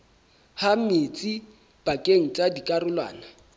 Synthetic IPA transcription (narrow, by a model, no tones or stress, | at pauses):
hamet͡sʼi | b̥akʼeŋ̩t͡sʼadikʼarʊlwa̰ːna